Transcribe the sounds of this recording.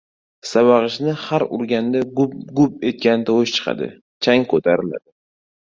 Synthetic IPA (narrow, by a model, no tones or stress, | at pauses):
saβɑʁɨʃnɪhaɾʊɾɡʲand̪aɡʊɡʊp̚e̞t̪̚kʲant̪ʰawʊʃt͡ʃʰɨ̥qʰɑ̰d̪ɪ̰ | t͡ʃʰaŋkʰɵt̪ʰaɾɪla̰d̪ɪ